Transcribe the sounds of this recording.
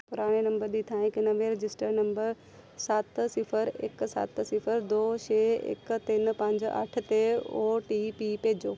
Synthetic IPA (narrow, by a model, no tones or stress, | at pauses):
pʊɾaːɽ̃enɐ̃mbəɾd̪iːt̪ʰãːɪknɐʋeɾɪd͡ʑɪsʈəɾnɐ̃mbəɾ | saːt̪sɪfʰəɾḛksa̰t̪sɪfʰəɾd̪oːʃeːḛkt̪ɪn̆pɐ̃ɲd͡ʑɐ̰ʈ̆ʰt̪eoːʈipiːpeːd͡ʑoː